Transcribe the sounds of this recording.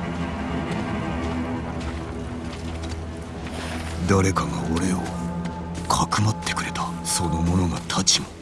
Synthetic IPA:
d̪aɾe̞kaɡa̰oɾe̞o̰ | kʰakɯ̟mat̪ːekɯ̟ɾe̞t̪ḁ | so̞no̞mo̞no̞ɡat̪ʰat͡ɕimo

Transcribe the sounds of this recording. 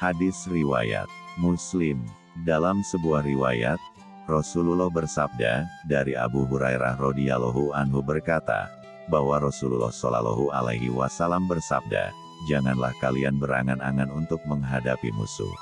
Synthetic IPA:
hadɪsriwa̰ja̰t̪̚muslɪm | dalamsəbuahriwaja̰t̪̚ | rɔsululɔhbərsab̚dadaɾia̰buɦuɾajɾahrodialoɦuanɦubərkat̪a̰ | bawaɾɔsululɔ̰hsola̰lo̰ɦua̰la̰ɦiwasalambərsab̚da̰ | d͡ʒaŋanlahkalianbəɾa̰ŋanaŋanunt̪ʊk̚məŋɦadapimṵsṵ

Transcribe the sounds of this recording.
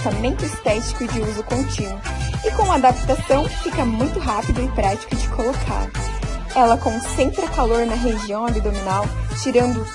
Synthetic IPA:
t̪amẽnt̪ʊɪst̪ɛt͡ʃi̥kʊd͡ʒɪuzʊkõnt͡ʃĩnʊɪkõũmad̪apt̪asɐ̃w̃fikɐmũj̃t̪ʊɦapid̪ʊɪpɾat͡ʃi̥kʊd͡ʒɪkʰolokʰa̰ɾɛlɐkõsẽnt̪ɾɐkaloɾnɐɦeʒiɐ̃w̃abid̪ominawt͡ʃiɾɐ̃nd̪ʊ

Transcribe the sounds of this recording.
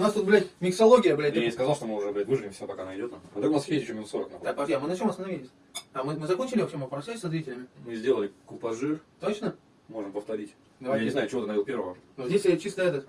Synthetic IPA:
ʊnast̪ut̪bɾʲætʲmʲɪksɐlˠo̞ɡʲɪjəbɾʲɛt̪̚ʲjaɪskɐzɑlˠʂt̪omɨmʊʐɨɐbɾʲɛt̪ʲmɨʐɨvʲɪmsɪd̪apɐkaɐnaɪdʲot̪na̰mɐt̪akʊnasjʲest̪ʲt͡ɕʲomʲɪnsoɾə̰kna̰pd̪akpɐamɨnɐt͡ɕo̞mɐst̪ɐnɐvilʲɪsʲ | ɐmɨmɨzɐkonʲt͡ɕɪlʲɪʋɐfɕʲemɐpɾɐʃʲæsʲɐzɾʲitʲɪlʲɪmʲɪmɨzʲdʲelˠəlʲɪkʊpɐʐɨrt̪ot͡ɕnə | mo̞ʐɨmpəft̪ɐɾʲitʲ | d̪ɐvʲjnʲɪzajʊt͡ɕɪvonɐvilˠpʲe̞ɾvəvənozʲdʲesʲet͡ɕist̪əjɛt̪ə

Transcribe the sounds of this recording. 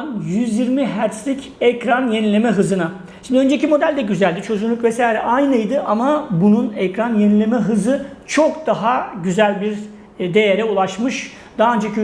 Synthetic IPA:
njyzjiɾmiɦæɾslʲic | ɛcɾanjenilʲe̞mɛɦɯzɯna | ʃimd̪ø̞nd͡ʒeicimo̞d̪ælʲd̪ɛɟyzælʲd̪it͡ʃʰø̞zynlʲykvɛsaːjɾɛʔajnɯjd̪ɯʔamabununɛcɾanjenilʲe̞mɛɦɯzɯt͡ʃʰo̞kd̪aɦaɟyzælʲbiɾ | d̪e̞jeɾɛulˠaʃmɯʃ | d̪̥aːønd͡ʒakʰy

